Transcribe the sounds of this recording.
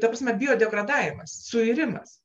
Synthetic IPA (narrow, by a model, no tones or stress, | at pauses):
t̪ɐpɾɑːsʲmʲɛbʲɪjoːd̪ʲɛɡɾɐd̪ɑːʋʲɪmɐssʊɪɾʲɪmɐ̰s